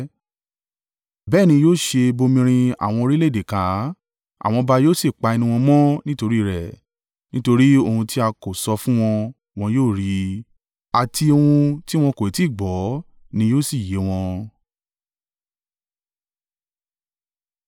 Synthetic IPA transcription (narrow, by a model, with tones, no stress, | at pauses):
bɛː˦˨nĩ˧joː˦˨ʃe˧bo˧mĩ˧ɾ̃ĩ˧a̰˨w̃ɔ̃˧o˧ɾi˦le˦˨de˨kã˨˦ | a̰˨w̃ɔ̃˧ba˧joː˦˨si˦˨k͡pa˧e˧nũ˧ɔ̃˧mɔ̃˦nĩ˦to˧ɾi˦˨ɾɛ˨ | nĩ˦to˧ɾi˦o˧hũ˧ti˦a˧ko˨sɔ˧fũ˦w̃ɔ̃˧ | w̃ɔ̃˧joː˦˨ɾi˧˦ | a˨ti˧o˧hũ˧ti˦w̃ɔ̃˧ko˨e˨ti˦˨ɡ͡bɔ˨˦ | nĩ˧joː˦si˦˨je˨˦w̃ɔ̃˧